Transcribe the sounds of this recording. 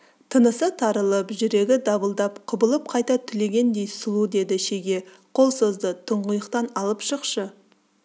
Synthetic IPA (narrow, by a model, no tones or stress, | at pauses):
t̪ʰənəsət̪ʰɑɾəlˠəpʒɪɾe̞ɡʲɪd̪ɑbəlˠd̪ɑpqʰʊbəlˠəp̚qʰɑjt̪ɑt̪ʰʏle̞ɡʲe̞nd̪e̞jsʊlˠud̪e̞d̪ɪʃeɡʲe̞ | qʰo̞lˠsozd̪ət̪ʰəɴʁʊjəqt̪ɑnɑlˠəpʃəqʃə